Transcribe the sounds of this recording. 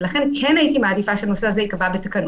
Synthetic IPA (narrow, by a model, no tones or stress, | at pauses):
laχe̞nkʰenajitimaːd̪ifaʃeano̞seazeikavabet̪akɐn